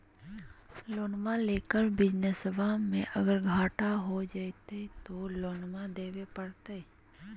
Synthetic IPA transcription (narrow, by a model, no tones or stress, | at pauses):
loːnmãleːkəɾbɪd͡ʒnəsəbʱamẽʔəɡəɾɡʱaːʈaɦod͡ʒat̪et̪oloːnmãd̪eːʋepəɽt̪e